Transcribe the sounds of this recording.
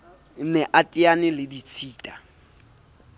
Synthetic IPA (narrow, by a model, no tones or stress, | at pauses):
nɛʔatʼianɪlɪdit͡sʰiːtʼa